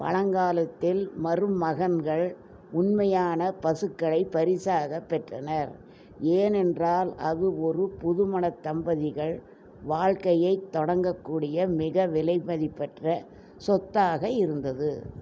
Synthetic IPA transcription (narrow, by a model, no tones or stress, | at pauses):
pɐ̰ɻɐŋɡaːlɐt̪ːɪlmɐrɯmːɐɣɐnɡɐɭ | ʊnmɐjaːnɐpɐsɯkːɐɭɐɪpːɐɾɪsaːɣɐpːɛʈrɐ̰nɐɾ | eːnɛndraːlɐðɯɔɾɯpʊðɯmɐnɐt̪ːɐmbɐðɪɣɐɭ | ʋaːɻkɐjɐɪt̪ːɔɽɐŋɡɐkːuːɽɪjɐmɪɣɐʋɪlɐɪmɐðɪpːɛʈrɐ | sɔt̪ːaːɣɐɪɾɯnd̪ɐðɯ